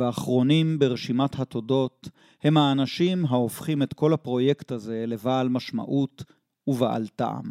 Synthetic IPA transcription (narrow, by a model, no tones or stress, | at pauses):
aːχʁo̞nimbeʁeʃimathat̪o̞do̞t | he̞mhaːnaʃimɦaofχimet̪ko̞lapʁo̞jektaze̞le̞vaːlmaʃma̰ʔut | uvaʔa̰lta̰a̰m